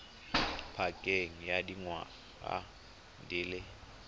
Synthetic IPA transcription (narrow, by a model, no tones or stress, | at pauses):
pʰakʼeŋ̩jadiŋwa̰ | a̰ | ndʱɪlɛ